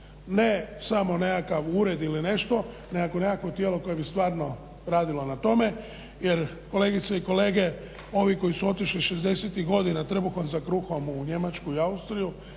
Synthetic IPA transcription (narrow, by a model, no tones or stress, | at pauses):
ne̞samo̞nekakaʋuːɾe̞d̪iline̞ʃt̪o̞ | neakonekakʋo̞t̪jeːlo̞koje̞bist̪ʋaːɾno | ɾaːd̪ilo̞nat̪o̞me̞ | jeɾ | ko̞le̞ːɡit̪seiko̞le̞ːɡe̞ | o̞ʋiko̞jisuo̞t̪iʃliʃezd̪e̞set̪iɣɡo̞d̪inat̪r̩buxonzakɾuxo̞muɲe̞mat͡ʃkuiaust̪ɾiju